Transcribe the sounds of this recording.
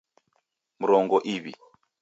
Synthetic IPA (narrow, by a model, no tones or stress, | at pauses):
muɾɔŋɡɔʔiβḭ